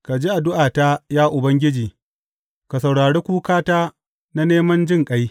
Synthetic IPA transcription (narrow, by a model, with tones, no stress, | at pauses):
ka˨d͡ʒiː˦ʔa˨dʊ˦ʔaː˨ta˦jaː˦ʔʊ˨bɐ˦ŋɡʲɪ˦d͡ʒiː˨ | ka˨sa˨wɽaː˨ɽeː˦kʷuː˦kaː˦taː˦ | na˦neː˦mɐ˦nd͡ʒɪ˦˨ŋkʼɐ˦j